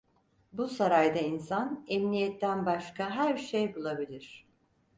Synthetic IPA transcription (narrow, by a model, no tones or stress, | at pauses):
busaɾajd̪ainsanɛmnijɛt̪ːænbaʃkʰaɦæɾʃejbulˠabilʲiɾ̝̥